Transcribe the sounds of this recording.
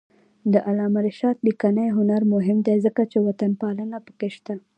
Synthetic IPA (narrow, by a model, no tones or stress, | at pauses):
d̪əʔalɑmaɾiʃɑt̪̚bikanajɦʊnaɾmʊɦɪmd̪ezəkat͡ʃewat̪anpɑlənapə̥keʃt̪a